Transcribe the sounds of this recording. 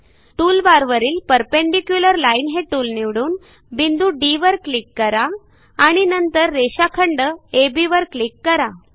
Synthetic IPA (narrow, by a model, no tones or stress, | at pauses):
ʈuːlbaɾʋəɾiːlpəɾpeɳɖikjuləɾlainɦeʈuːlniʋɽuːn | bind̪uːɖiʋəɾklikːəɾaː | ɽ̃inənt̪əɾːeɕakʰəɳɖəebiʋəɾklikːəɾa